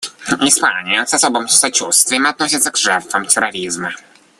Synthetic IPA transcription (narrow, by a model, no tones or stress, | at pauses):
ɪspa̰nʲɪjəsɐsobəmsɐt͡ɕust̪vʲɪjɪmɐt̪nosʲɪt̪səɡʐɛrt̪fəmtʲɪɾɐɾʲizmə